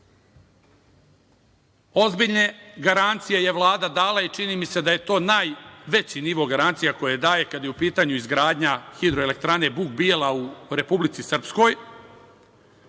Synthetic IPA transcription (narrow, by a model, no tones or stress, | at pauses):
o̞zbiʎne̞ɡaɾant̪sije̞je̞ʋlˠaːd̪ad̪aːlait͡ʃiniːmise̞d̪aje̞t̪o̞ːnaːjʋe̞t͡ɕiniʋo̞ɡaɾant̪sijako̞jed̪aːje̞kad̪jeupiːt̪aɲuizɡɾaːd̪ɲaxid̪ɾoe̞le̞kt̪ɾane̞buɡbielˠauɾe̞publit̪sisr̩psko̞j